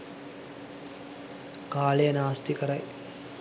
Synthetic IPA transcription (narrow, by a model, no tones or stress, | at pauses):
kaːlejənaːst̪ikəɾaj